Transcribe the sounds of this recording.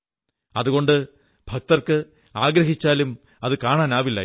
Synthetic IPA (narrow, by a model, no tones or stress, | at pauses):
ɐðuɣo̞ɳɖɨ | bʱɐk̚t̪ɐrkɨ | aːɡɾɐɦit͡ɕːaːlum | ɐðɨkaːɳaːnaːʋilːɐ̰